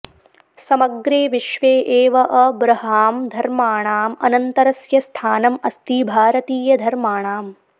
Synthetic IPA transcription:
sɐmɐɡɾeːʋiʃʋeːʔeːʋɐʔɐbɾɐɦaːmd̪ʱɐɾmaːɳaːmɐ̰nɐnt̪ɐɾɐsjɐst̪ʰaːnɐmɐst̪iːbʱaːɾɐt̪iːjɐd̪ʱɐɾmaːɳaːm

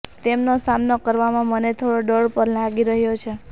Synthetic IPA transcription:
t̪emnosamnokəɾʋamãmənet̪ʰoɽoɖəɽpəɾlaɡiɾəɦjot͡ʃʰe

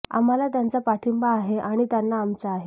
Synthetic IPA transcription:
a̰m̤alat̪jant͡sapaʈʰimbaːɦeʔaɽ̃it̪janːaːmt͡saːɦe

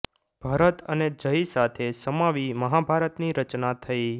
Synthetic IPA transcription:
b̥ʱaɾət̪əned͡ʒəisat̪ʰesəmaʋiməɦabʱaɾət̪niɾət͡ʃnat̪ʰəi

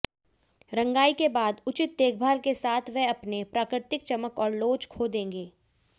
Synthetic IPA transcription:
ɾɐ̃ŋɡaːikebaːd̪ʊt͡ʃɪt̪̚ːeːk̚ʰbʱaːlkesaːt̪ʰʋɛɐpnepɾaːkɾɪɾt̪ɪk̚t͡ʃəməkɔːɾloːt͡ʃkʰoːd̪ẽːŋɡeː

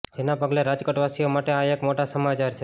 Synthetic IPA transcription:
d͡ʒenapəɡleɾad͡ʒkəʈʋasijomaʈeaekmoʈasəmat͡ʃaɾt͡ʃʰe

